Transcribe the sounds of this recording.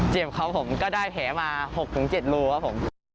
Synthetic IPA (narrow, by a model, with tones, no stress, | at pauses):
t͡ɕi˨˩əmxa˨˧˦who˧˦ŋ͡mkɔː˨˦ɗaː˧jp̪ʰɛ˨˩˦maː˨˩ho˨˩k̚ɲɨ̰˨˦ŋt͡ɕi˧˩t̚lu˧əaː˨˦ho̰˧˥˦ŋ͡m